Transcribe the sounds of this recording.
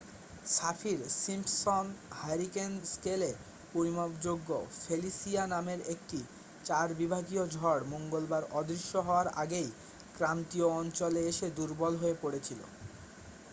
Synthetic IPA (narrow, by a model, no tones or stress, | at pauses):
safʰiɾsimpsonhajɾikenskele | poimobd͡ʑoɡːofʰelisianameɾekʈi | t͡ɕaɾbibʱaɡiod͡ʑʱɔɽmoŋɡolbaɾɔd̪ɾiʃːoɦɔoaɾa̰ɡej | kɾant̪ioɔnt͡ɕoleeʃed̪uɾbɔlɦoepoɽet͡ɕʰilo̰